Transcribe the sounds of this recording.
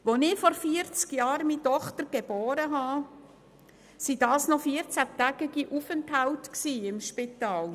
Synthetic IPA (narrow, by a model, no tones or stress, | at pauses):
ʋonɪfɔɾfiəɾt͡skjɑːɾmitɔχtəɾɡ̥eb̥oːɾəɦɑː | sid̥ɑːsnɔfiəɾt͡sætæɡ̥ɪɡ̥iʔufɛnthaʊtksiːɪmʃpitɑːl